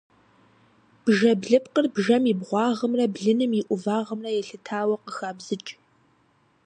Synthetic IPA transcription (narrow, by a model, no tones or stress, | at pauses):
b̥ʒɐbɮɨpqərbʒɐmibʁʷɑːʁəmrɐbɮɨnɨmiʔʷʊvaːʁəmrɐjɛɬɨtʰaːwɐqəxaːbzɨt͡ʃʼ